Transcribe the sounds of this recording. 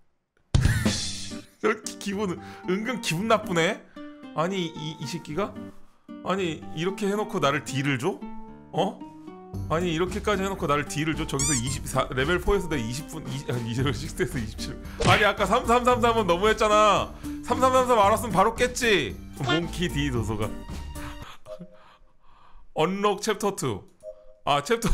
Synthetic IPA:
kʰkibunɯŋɡɯnkibunːap͈une̞aɲiiːɕʰip̚k͈iɡa | aɲiiɾʌkʰe̞he̞nokʰonaɾɯɭtiɾɯɭd͡ʑo | ʌ | aɲiːɾʌkʰe̞k͈ad͡ʑiɦhe̞nokʰonaɾɯɭtiɾɯɭd͡ʑot͡ɕʌɡisʰʌiɕ̬ʰip̚sʰaɾe̞be̞ɭpʰoes̬ʰʌdeiɕʰip̚p͈uniaiɕʰik̚t͈eesʰʌiɕʰi̥p̚t͡ɕʰiɭ | aɲiak͈as̬ʰams̬ʰamsʰams̬ʰamɯnːʌmuɦe̞t̚t͡ɕ͈anasʰamsʰamsʰamsʰamaɾas̬͈ɯmɯnpaɾok͈e̞t̚t͡ɕ͈imoŋkʰititos̬ʰoɡa | ʌnːʌk̚t͡ɕʰe̞p̚tʰʌtʰɯ̰ | at͡ɕʰep̚tʰ

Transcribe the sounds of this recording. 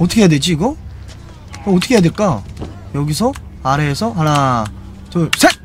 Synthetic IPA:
ʌtʰʌkʰejadwe̞d͡ʑiːɡʌ | koːtʰʌ̥kʰejadeɭk͈ajʌɡis̬ʰʌaɾe̞ːsʰʌɦaɾa | t͡ɕʌsʰe

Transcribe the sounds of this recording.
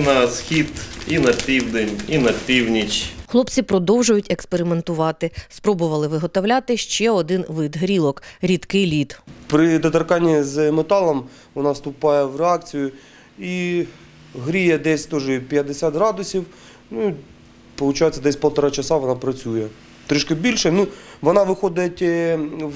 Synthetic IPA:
nɐsxʲid̪inɐpʲiwd̪enʲinɐpʲiwnʲit͡ʃxlˠɔpt͡sʲipɾɔd̪ɔwʒʊjʊtʲekspeɾʲɪment̪ʊʋɑt̪ɪspɾɔbʊʋɐlˠɪʋɪɦɔt̪ɔʋlʲɑt̪ɪʃt͡ʃɛɔd̪ɪnʋɪd̪ɦɾʲilˠɔkɾʲid̪kɪjlʲit̪pɾɪd̪ɐt̪ɐrkɑnʲːizmet̪ɑlˠɐm | ʋɔnɑst̪ʊpɑjɛwreɑkt͡sʲijʊ | i | ɦɾʲijɛd̪ɛsʲt̪ɔʒɛpʲjɐd̪ɪsʲat̪ɦɾɑd̪ʊsʲiw | nui | pɔlˠʊt͡ʃɑjet͡sʲːɐd̪ɛsʲpɔlˠt̪ɐɾɑt͡ʃɐsɑʋɔnɑpɾɐt͡sʲujɛ | t̪ɾɪʃkɐbʲilʲʃɛnuʋɔnɑʋɪxɔd̪ɪtʲ

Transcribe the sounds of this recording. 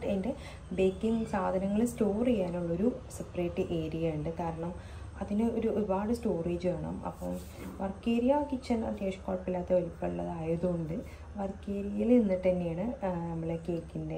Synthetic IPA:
ende̞ | beːkːiŋɡsaːd̪ʱɐnɐŋːɐɭsto̞ːrijaːnuɭːɐoɾusepːreːʈːɨʔeːɾijɐjuɳɖɨkaːɾɐɳɐm | ɐðinɨoɾuoɾubaːɽɨsto̞ːreːd͡ʑɨʋeːɳɐ̰mɐ̰pːo̰ː | ʋɐrkːeːɾijaːkːit͡ɕːɐnɐt̪jeːʂɐ̥kːoːʈpilːaːt̪ːeʋɐlipːɐɭːɐ̰ðaːjɐðuuɳɖɨ | ʋɐrkːeːɾijilinːiʈːɐnːejaːɳɨnɐmːɐɭekːeːkːinde

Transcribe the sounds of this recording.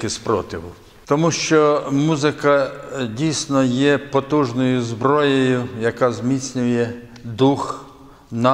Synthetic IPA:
kɪspɾɔt̪ɪʋʊ | t̪ɔmuʃt͡ʃɔmuzɪkɐdʲijsnɔjɛpɔt̪uʒnɔjʊzbɾɔjɔjʊjɐkɑzʲmʲit̪t͡sʲnʲʊjɛ | d̪ux | nɐ

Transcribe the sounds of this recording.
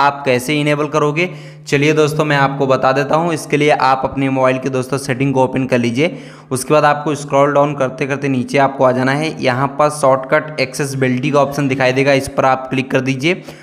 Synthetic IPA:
aːp̚kɛːseɪneːbəlkɐɾoːɡeː | t͡ʃɐlied̪oːst̪õmɛ̃aːp̚kobɐt̪ad̪eːt̪aɦũɪskelieʔaːpɐpnemoːbaːɪlked̪oːst̪õseʈɪ̃ŋɡkoːpenkɐɾliːd͡ʒieː | ʊskebaːd̪aːp̚koɪskɾɔːlɖaːʊnkɐɾt̪ekɐɾt̪eniːt͡ʃeaːp̚koaːd͡ʒaːnaɦɛjɐɦãpɐɾsɔːʈkɐʈɛːkses̬bɪlʈikaɔːpʃənd̪ɪkʰaːid̪eːɡaɪspɐɾaːpklɪkːɐɾd̪iːd͡ʒieː

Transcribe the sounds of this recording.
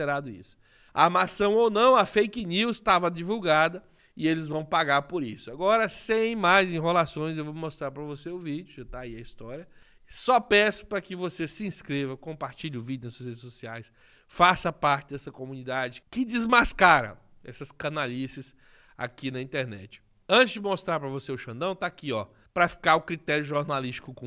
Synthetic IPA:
eɾad̪ʊḭsʊ̥ | a̰amasɐ̃w̃ownɐ̃w̃ɐfejkɪniwst̪avɐd͡ʒivuwɡad̪ɐ | ɪelɪzvɐ̃w̃paɡaɾpoɾisʊaɡɔɾɐsẽj̃majzẽj̃ɦelasõj̃s̬zewvommost̪ɾaɾpɾɐvoseʊvid͡ʒʊʒat̪aiɐist̪ɔɾjɐ | sɔpɛsʊ̥pɾɐkɪvosesɪĩskɾevɐkõmpaɾt͡ʃiʎɪʊvid͡ʒʊnɐsuɐshed͡ʒɪsosiajs | fasɐpaɾt͡ʃɪd̪ɛsɐkomũnid̪ad͡ʒɪkɪd͡ʒɪzmaskaɾɐ̰ | ɛsɐskɐ̃nalisis | a̰kinɐĩnt̪eɾnɛ̰t͡ʃɪ̥ | ɐ̃t͡ʃɪzd͡ʒɪmost̪ɾaɾpɾɐvoseʊʃɐ̃nd̪ɐ̃w̃t̪aakiɔ | pɾɐfi̥kaɾʊkɾit̪ɛɾjʊʒoɾnaliʃt͡ʃi̥kʊkõ

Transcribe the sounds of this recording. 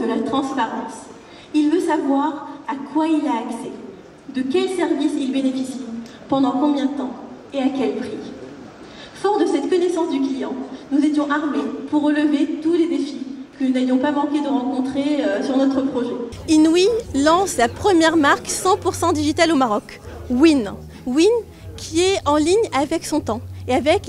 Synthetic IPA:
d̪əlat̪χɑ̃spaʁɑ̃s | ilvøsavwaʁakwailaːksɛ | d̪əkʲɛlsɛʁvisilbenefisi | pɑ̃d̪ɑ̃kɔ̃bjɛ̃d̪ət̪ɑ̃ | eakʲɛlpχi | fɔʁd̪əsɛt̪kɔnesɑ̃sd̪yklijɑ̃nuzet̪jɔ̃ʔaʁmepuʁːələvet̪uled̪efikənunavjɔ̃pamɑ̃kʲed̪əʁɑ̃kɔ̃t̪χeøsyʁnɔt̪χəpχɔʒɛ | inwilɑ̃slapχəmjɛʁmaʁksɑ̃puʁsɑ̃d̪iʒit̪alomaʁɔk | win | win | kʲʰiɛɑ̃liɲavɛksɔ̃t̪ɑ̃eavɛk

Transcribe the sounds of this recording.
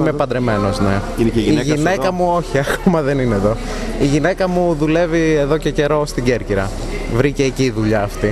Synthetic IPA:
imepɐnd̪ɾeme̞no̞zne̞ | iiʝinekɐmuo̞çiɐkʰomɐðe̞nineːðo̞ | iʝine̞kɐmuðule̞vie̞ðo̞ce̞ce̞ɾo̞st̪iɟe̞ɾciɾɐ | vɾiceːciːðuʎɐːft̪i

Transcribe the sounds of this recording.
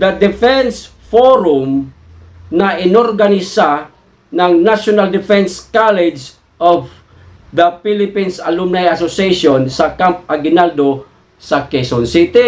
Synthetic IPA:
d̪ɐd̪ɪfɛns | foɾʊm | nɐʔɪnoɾɡanɪsa | nɐŋnaʃonald̪ɪfɛnskalɛd͡ʒ | ʔov | d̪ɐpilɪpinsɐlumnajasoseʃonsɐkamp̚ɐɡɪnald̪o | sɐkesonsit̪i

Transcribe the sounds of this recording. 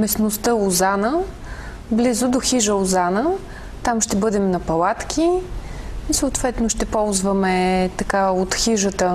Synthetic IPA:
mɛsnost̪əʊzanə | blizʊd̪oxiʒəozanə | t̪amʃt̪ɛbɤd̪ɛmnɐpɐlˠat̪kʰʲi | isoːt̪vɛt̪noʃt̪ɛpɔlˠzvəmɛt̪ɐkaot̪xiʒət̪ə

